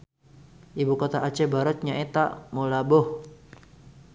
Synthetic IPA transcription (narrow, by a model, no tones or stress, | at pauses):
ʔibukot̪aʔat͡ʃɛbaɾɔt̪̚ɲaet̪a̰molabɔh